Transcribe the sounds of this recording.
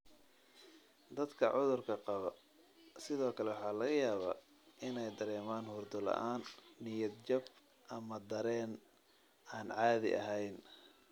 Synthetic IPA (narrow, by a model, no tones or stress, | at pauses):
d̪ɐd̪kʰɐ̰ʕʊðʊrkʰɐqɑβɐ | sɪðɔːkʰɐlɛwɑħɑːlɐɣɐjaːβa̰ː | ʔɪnɛjd̪ɐɾɛːmaːnhʊrd̪ʊlɐ̰ʔaːnːɪjɐd̪t͡ʃɐb | ʔɐmɐd̪ɐɾɛːn | aːnʕɑːðɪ̰ʔɐ̰ɦɛjn